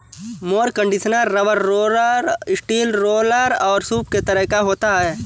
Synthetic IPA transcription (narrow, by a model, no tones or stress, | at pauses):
moːɾkə̃ɳɖɪʃənəɾːɐʋəɾːoːləɾɪsʈiːlɾoːləɾɔːɾsuːpket̪ɐɾəɦkaɦoːt̪aɦɛː